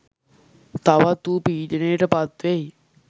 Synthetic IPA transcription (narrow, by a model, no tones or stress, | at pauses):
t̪aʋat̪uːpiːdənəjəʈəpat̪ʋej